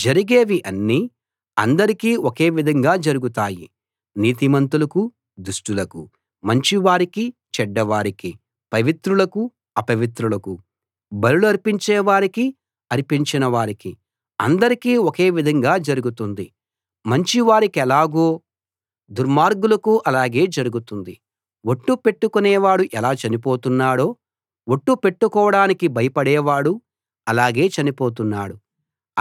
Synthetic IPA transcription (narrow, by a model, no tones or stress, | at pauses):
d͡ʒɐɾiɡeːʋiʔɐnːiː | ɐ̰nd̪ɐɾikiːoke̞ːʋid̪ʱɐŋɡaːd͡ʒɐɾuɡut̪aːjḭ | niːt̪imɐnt̪ulɐku | d̪uʂʈulɐku | mɐɲt͡ʃiʋaːɾikit͡ʃɛɖːɐʋaːɾiki | pɐʋit̪ɾulɐku | ɐpɐʋit̪ɾulɐku | bɐluluɐɾpiɲt͡ʃeːʋaːɾiki | ɐɾipiɲt͡ʃinɐʋaːɾiki | ɐ̰nd̪ɐɾikiːɔke̞ːʋid̪ʱɐŋɡaːd͡ʒɐɾuɡut̪und̪i | mɐɲt͡ʃiʋaːɾikɛlaːɡoː | d̪uɾmaːɾɡulɐkuʔɐlaːɡe̞ːd͡ʒɐɾuɡut̪und̪i | woʈːupe̞ʈːukunɛːʋaːɽuʔɛlaːt͡ʃɐnipo̞ːt̪unːaːɽo̞ː | woʈːupe̞ʈːukɔːʋɐɽaːnikibɐjɐpɐɽɛːʋaːɽu | ɐlaːɡe̞ːt͡ʃɐnipo̞ːt̪̬unːa̰ːɽu